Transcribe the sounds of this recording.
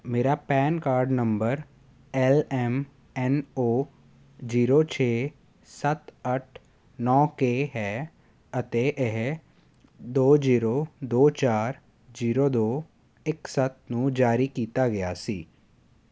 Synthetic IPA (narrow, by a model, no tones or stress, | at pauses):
meːɾapɛːnkaːɾɖnə̃mbəɾ | ɛlɛːm | ɛnoː | ziːɾot͡ʃʰeː | sət̪əʈʰ | nɔːkeɦɛː | ət̪eʔeɦ | d̪oːd͡ʒiːɾoːd̪oːt͡ʃaːɾ | d͡ʒiːɾoːd̪oː | ɪksət̪̚nũːd͡ʒaːɾikiːt̪aɡɐja̰ːsiː